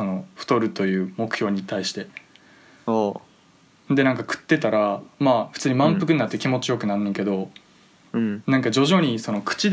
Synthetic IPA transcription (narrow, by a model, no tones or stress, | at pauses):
so̞no̞ɸɯ̟̥t̪o̞ɾɯ̟t̪o̞jɯ̟ːmo̞kɯ̟̥çjo̞ːɲ̟it̪aiɕi̥t̪e̞ | o | d̪e̞nãŋkakɯ̟̥t̪ːe̞t̪aɾamaːɸɯ̟̥t͡sɨːɲ̟imãmpɯ̟k̬ɯ̟ɲinat̪ːekʲimo̞t͡ɕijo̞kɯ̟nanːẽŋke̞d̪o̞ | nãŋkad͡ʑo̞ʑo̞ːɲ̟iso̞no̞kɯ̥t͡ɕi